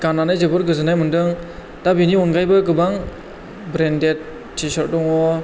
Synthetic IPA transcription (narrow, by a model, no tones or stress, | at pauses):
kananɯjd͡ʒɯbɯɾɡɯzɯnajmɯndɯŋ | tabiniɔnɡajbɯk̬ɯbaŋ | bɾendet̚ | t͡ʃisɔɾdɔŋɔ